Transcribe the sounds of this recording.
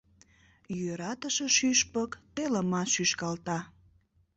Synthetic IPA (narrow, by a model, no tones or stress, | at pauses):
jøɾɑt̪əʃeʃyʃpəkt̪eləmɑʃyʃkɑlt̪ɑ